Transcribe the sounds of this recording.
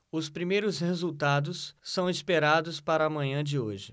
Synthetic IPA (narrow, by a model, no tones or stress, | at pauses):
ʊspɾimejɾʊshezuwt̪ad̪ʊsːɐ̃w̃ispeɾad̪ʊspaɾɐːmɐ̃ɲɐ̃d͡ʒɪoʒɪ